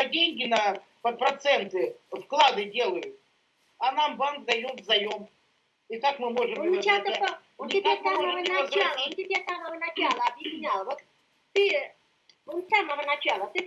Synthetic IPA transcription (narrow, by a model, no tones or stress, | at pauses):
ɐdʲenʲɡʲɪnɐ | pəpɾɐt̪sɛnt̪ɨfklˠad̪ɨdʲe̞lˠəjʊt̪ | ɐnambankd̪ɐjomvzɐjom | ikakmɨmo̞ʐɨmt͡ɕat̪əpəɪbʲesaməvənɐt͡ɕalˠət̪ʲɪbʲesaməvənɐt͡ɕalˠəɐbjɪsʲnʲalˠvot̪ | t̪ɨ | onsaməvənɐt͡ɕalˠət̪ɨ